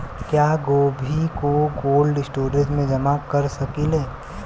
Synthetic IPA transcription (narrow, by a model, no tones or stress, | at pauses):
kjaːɡoːbʱikoɡoːlɖɪsʈoːɾẽsmẽd͡ʒɐmakəɾsɐkileː